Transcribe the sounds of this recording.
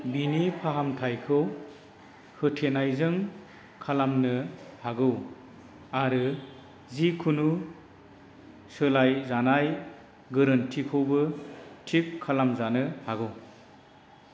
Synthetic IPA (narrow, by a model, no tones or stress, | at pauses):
binipʰaɦamtʰajkʰɯw | hɯtʰenajzɯŋ | kʰalamnɯhaɡɯw | aɾɯ | zikʰunu | sɯlajzanaj | ɡɯɾɯntʰikʰɔwbɯtʰikʰːalamzanɯhaɡɯw